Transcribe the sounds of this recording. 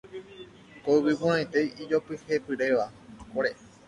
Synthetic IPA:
koupipũɾ̃ãj̃t̪e̞jid͡ʒopɨhe̞pɨɾe̞ʋakoɾe

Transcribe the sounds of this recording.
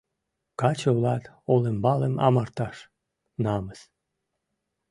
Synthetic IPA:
kɑt͡ɕəβlɑt̪ | olembɑləmɑ̰mɑrt̪ɑʃ | nɑməs

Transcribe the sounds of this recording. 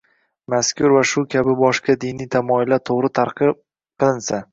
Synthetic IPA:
maskʲʰʊɾvaʃʊkʲʰabɪbɒʃqad̪ɪnijt̪ʰamɒɪlːat̪ʰoʁɾɪt̪ʰaɾqɨ | qʰɨlˠɪnsa

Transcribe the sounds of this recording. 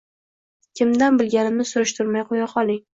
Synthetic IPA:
kʲʰɪmd̪anbɪlɡʲanɪmnɪsʊɾɪʃt̪ʰʊɾmajqʰojaqʰɒlˠɪŋ

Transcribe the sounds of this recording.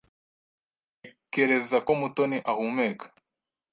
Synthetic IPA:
keɾezakɔmutɔniʔahumɛkḁ

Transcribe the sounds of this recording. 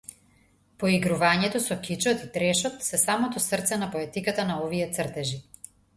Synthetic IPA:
poiɡɾuvaɲɛt̪ɔsɔkit͡ʃɔt̪it̪ɾɛʃɔt̪sɛsamɔt̪ɔsrt̪sɛnapoɛt̪ikat̪anaɔviɛt̪srt̪ɛʒi

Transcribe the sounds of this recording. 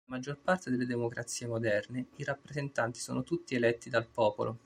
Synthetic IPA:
mad͡ʒːorpart̪ed̪elːed̪emokɾʔa̰t̪sːiːemod̪ɛrneiɾapːɾezent̪ant̪i̥sɔ̰ːnot̪ut̪ːielɛt̪ːid̪alpɔːpo̰lʔo

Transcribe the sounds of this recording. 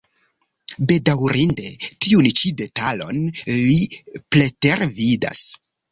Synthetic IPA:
be̞dawɾinde̞tiunt͡ʃide̞talo̞̰nliple̞teɾvida̰s

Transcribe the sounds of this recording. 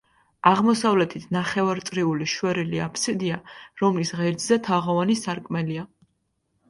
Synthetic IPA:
aʁmɔsavlɛt̪ʰit̪ʰnaχɛvaɾt̪sʼɾiuliʃwɛɾiliapʰsid̪iaɾɔmlisʁɛɾd̪zɛt̪ʰaʁɔvanisaɾkʼmɛlia

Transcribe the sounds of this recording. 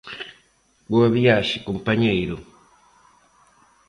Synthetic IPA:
ɡoaβijaʃikumpaɲeiɾo

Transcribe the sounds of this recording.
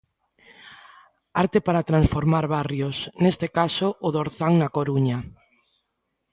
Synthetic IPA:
aɾt̪epaɾat̪ɾãnsfoɾmaɾβarjosnest̪ekasoʔːðoɾθaŋnakoɾuɲa

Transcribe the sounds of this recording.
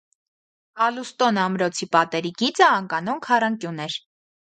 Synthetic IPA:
ɑlust̪ɔnɑmɾɔt͡sʰipɑt̪ɛɾiɡit͡səːŋkɑnɔŋkʰɑrɑŋkjunɛɾ

